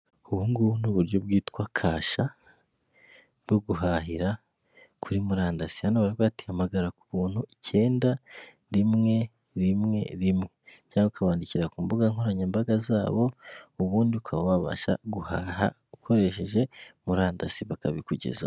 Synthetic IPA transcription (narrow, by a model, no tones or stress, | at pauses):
uβuːŋɡunuβuɾjo̞b̚ɡiːtkwakʰaːʃa | bɡo̞ɡuɦaɦiɾa | kʰuɾimuɾaːndasi̥hanoβaɾikwaːti̥hamaɡaɾaku̥βuːn̥huice̞ːnda | ɾimŋe̞ | ɾimŋe̞̰ɾimŋe | ɟaːukʰaβaːndiciɾakuːmbuɡaŋhoɾaɲeːmbaɡazaːβo̞uβuːndiβukʰaβaβaβa̰ʃa̰ɡuhaːɦa̰ | ukʰo̞ɾe̞ʃe̞ʒe̞muɾaːndasiβakaβikuɟe̞̰za̰